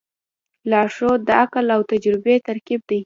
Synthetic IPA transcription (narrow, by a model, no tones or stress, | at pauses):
lɑʂod̪əaklawt̪ad͡ʒɾɪbet̪aɾkib̚d̪aj